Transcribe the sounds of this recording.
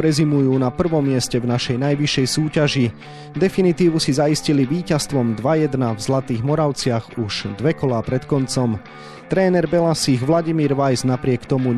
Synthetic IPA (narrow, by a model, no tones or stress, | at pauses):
ɾɛzimujuːnapr̩ʋɔmːɪɛscɛvnaʃɛjnajʋiʃːɛjsuːcaʒi | d̪ɛfinit̪iːʋusizaisciliʋiːcast̪ʋɔmd̪ʋajɛd̪navzlat̪iːɣmɔɾaʊt͡sɪaɣuʒ̥d̪ʋɛkɔlaːpɾɛt̪kɔnt͡sɔm | t̪ɾɛːnɛɾbɛlasiɣʋlaɟimiːɾʋajznapɾɪɛkt̪ɔmu